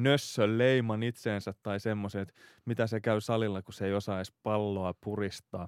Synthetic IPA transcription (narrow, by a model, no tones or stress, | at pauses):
nøsːølleimɑnit̪seːnsæt̪ːɑisemːoseːt̪mit̪æsekæysɑlilːɑkuseijosɑispɑlːoɑpurist̪ɑː